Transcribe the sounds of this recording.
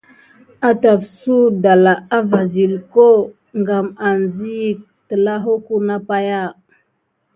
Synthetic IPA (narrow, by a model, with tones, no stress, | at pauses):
a˨ta˨fsu˦da˨la˨a˦va˨zi˨lko˦ | ŋɡa˨ma˨nzi˦˨ | tə˨la˦ɦo˦ku˦na˦pa˦ja˦˨